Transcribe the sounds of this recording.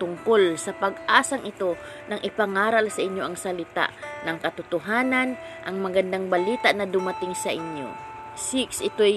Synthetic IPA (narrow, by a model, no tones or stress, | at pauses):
t̪ʊŋkolsɐpɐɡʔaːsɐŋʔɪt̪o̞nɐŋʔɪpɐŋaːɾɐlsɐʔɪɲjoʔɐŋsɐlɪt̪a̰ʔnɐŋkɐt̪ʊt̪ʊɦaːnanʔɐŋmɐɡɐnd̪aŋbɐliːt̪aʔnɐd̪ʊmɐt̪ɪŋsɐʔɪɲjo̰sɪksɪt̪oj